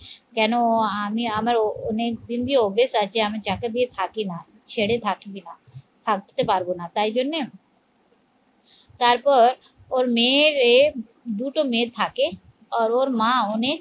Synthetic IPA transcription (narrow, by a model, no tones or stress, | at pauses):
kɛːnõaːmĩaːməɾoned̪ɪnd̪ioːbeːsat͡ʃeaːmẽt͡ʃaːkəd̪iet̪ʰaːkiːnaː | t͡ʃʰeːɽet̪ʰaːkibinaː | t̪ʰakt̪epaːɾɡonaːt̪aːid͡ʒoneː | t̪aɾpəɾ | oːɾmeːɾe | d̪uːʈoːmẽːt̪ʰaːkeː | ɔːɾoːɾmãːonẽː